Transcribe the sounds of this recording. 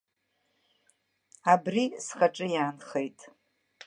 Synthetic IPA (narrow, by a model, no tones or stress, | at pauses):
abrisχaʈ͡ʂʼɨjaːnχejtʼ